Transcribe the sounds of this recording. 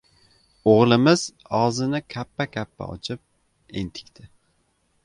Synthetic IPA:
oʁlˠɪmɪz̥ | ɒzɪnɪkʲʰapːakʲʰapːa̰ɒ̰t͡ʃʰɪp̚ | ent̪ʰɪ̥kʲt̪ʰɪ

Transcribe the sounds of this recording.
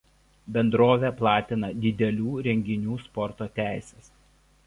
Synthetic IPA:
bʲɛnd̪ɾoːʋʲeplˠɑːt̪ʲɪnɐd̪ʲɪd̪ʲɛlʲuːɾʲɛŋʲɡʲɪnʲuːspɔɾt̪oːt̪ʲæˑɪsʲɛs

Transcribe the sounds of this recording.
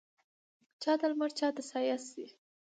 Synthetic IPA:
t͡ʃɑt̪almaɾt͡ʃɑt̪asɑjasd̪i

